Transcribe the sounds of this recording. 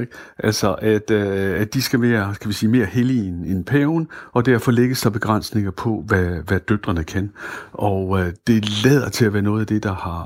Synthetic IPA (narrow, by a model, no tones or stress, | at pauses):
ɡ̥ʔæl̰sɒʔæd̥æd̥isɡ̥æme̝ːɐkʰæʋisiːme̝ːɐhelinenpʰɛʊnɒ̽d̥æɐfɒ̽leɡ̥əsd̥ɑb̥e̝ɡ̥ʁɑn̰sne̝ŋɐpʰɒ̽ʋæʋæd̥ød̥ʁɐnəkʰænʔɒd̥e̝lɛːð̞̰ˠɐt͡sʰe̝læʋæːɐnɔ̽ːð̩ˠæd̥e̝d̥ɑ̈hɑ̈